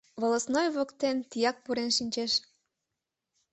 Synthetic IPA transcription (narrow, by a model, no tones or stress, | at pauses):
βoləsnojβokt̪ent̪ijɑk̚puɾenʃinʲt͡ɕeʃ